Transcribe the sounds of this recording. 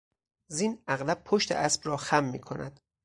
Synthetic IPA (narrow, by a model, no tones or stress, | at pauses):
ziːnæɣlæb̚pʰoʃt̪ʰḛʔæsb̥rɒːxæmːḭːkʰo̞næ̰d̪̥